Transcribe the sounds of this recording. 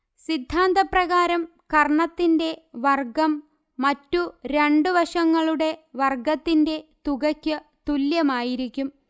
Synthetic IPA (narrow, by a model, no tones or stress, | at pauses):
sid̪ʱːaːnd̪ɐprɐɣaːɾɐm | kɐrɳɐt̪ːinde̞ʋɐrɡɐmː | ɐtːuɾe̞ɳɖɨʋɐʂɐŋːɐɭuɽe̞ʋɐrɡɐt̪ːinde̞t̪uɣɐkʲːɨ | t̪uljɐmaːjiɾikʲːum